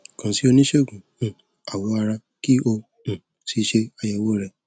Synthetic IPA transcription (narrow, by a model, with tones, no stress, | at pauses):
kã˨˧si˦o˧nĩ˦ʃe˦o˨ɡũ˨ũ˨ | a˨wɔ˨˧˦a˧ɾa˧ | ki˦õ˧˨ | si˧˦ʃe˧a˧jɛ˨wo˦ɾɛ˦˧˨